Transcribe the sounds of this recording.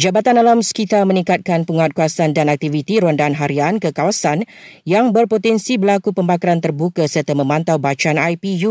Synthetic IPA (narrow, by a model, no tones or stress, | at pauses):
d͡ʒabat̪analamsə̥kit̪amə̃nĩŋkat̪̚kanpəŋat̪̚kuasandanak̚t̪ivit̪iɾuandanɦaɾiankəkawasanjaŋbərpot̪ɛnsibəlakupəmbakaɾant̪ərbukasərt̪amə̃mãnt̪awbat͡ʃanajpiju